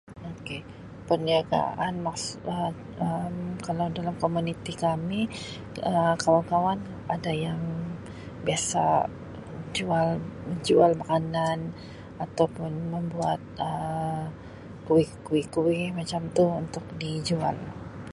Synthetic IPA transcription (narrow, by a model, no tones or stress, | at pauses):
oke | pərniaɡa̰ʔanmaksə | əmkalawdalamkomunit̪ikami | əkawankawan | adajaŋ | biasa̰ | d͡ʒualməɲd͡ʒualmakanan | at̪awpʊnməmbuat̪̚ə | kuɪkuwɪkuwɪmat͡ʃamt̪uunt̪ʊk̚did͡ʒua̰l